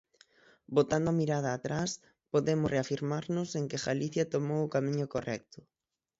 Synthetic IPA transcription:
bot̪and̪ʊamiɾað̞aːt̪ɾas | poðemʊsreafiɾmaɾnʊseŋkɪɣaliθjat̪omowʊkamĩɲʊkorɛk̚t̪ʊ̥

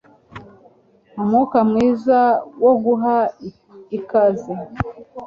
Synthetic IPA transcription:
umuːkamŋiːzawoɡuɦa | ikazi

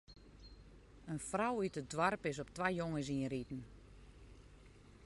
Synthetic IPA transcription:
ənfrawytədwarpɪs̬ɔp̚tʋajjoŋəs̬inritn̩

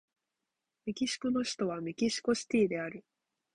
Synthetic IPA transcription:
mʲikʲiɕi̥kono̞ɕi̥t̪o̞β̞amʲikʲiɕi̥ko̞ɕi̥t̪ʲiːd̪e̞aɾɯ̟

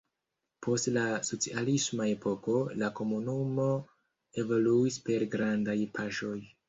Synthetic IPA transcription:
pʰo̞stlaso̞t͡sialismae̞pʰo̞ko̞lako̞munumo̞ | e̞vo̞luispe̞ɾɡɾandajpʰaʃo̞j

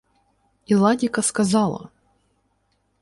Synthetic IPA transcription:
ilˠadʲikɐskɐzɑlˠɐ̰

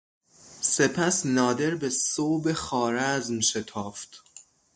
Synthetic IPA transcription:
se̞pʰæsnɒːd̪e̞ɾbesoːbexɒːɾæzmʃe̞t̪ʰɒːft̪

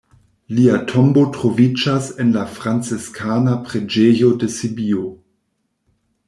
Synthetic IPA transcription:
liatʰombotʁovid͡ʒasenlafʁant͡seskʰanapʁed͡ʒejodesibio

